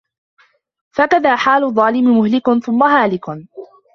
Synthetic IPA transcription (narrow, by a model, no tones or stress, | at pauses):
fakaðaːħaːlʊðˤːɑːlɪmɪmʊhlɪkʊnθʊmːaɦaːlɪk